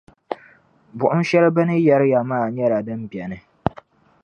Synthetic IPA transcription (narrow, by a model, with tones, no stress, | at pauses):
bʊ˨ʔʊ˦n˦ʃɛ˦lbɨ˦nɨ˦jɛ˦ɾɪ˦ja˨maː˦˨ɲɛ˦ɾa˨dɨ˦mbjɛ˨nɨ˨